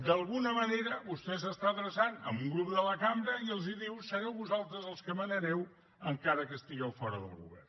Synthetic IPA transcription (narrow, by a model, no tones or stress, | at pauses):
d̪əlˠɣunəməneɾəβust̪ɛsəst̪aəðɾəsanə̰mbuŋɡɾupd̪ələkambɾəiəlˠziðiwsəɾɛwβuzalˠt̪ɾəzəlˠskəmənəɾɛw | əŋkaɾəkəst̪iɣɛwfɔɾəðə̰lˠɣṵβɛ̰r